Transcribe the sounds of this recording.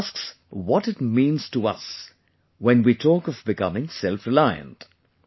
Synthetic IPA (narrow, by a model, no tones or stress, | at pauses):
sks | wʌtɨt̚mĩːnz̥təʌs | wɛ̃nwitʰɔkʌvbɨkʰʌ̰mɪ̃ŋsɛlˠfɹɨlaɪɨ̰̃nt